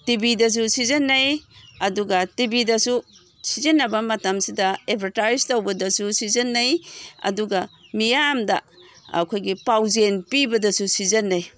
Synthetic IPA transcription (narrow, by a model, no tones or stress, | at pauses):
tibidɐs̬usizɐnːɐjɐduɡɐtibidɐsu | sizɐnːɐbɐmɐtɐmsidɐetpʰɐɾtajztowbɐdɐsusizɐnːɐjɐ̰duɡɐmijamdɐ̰ | ɐ̰kʰojɡipawzenpibɐdɐsusizɐnːɐj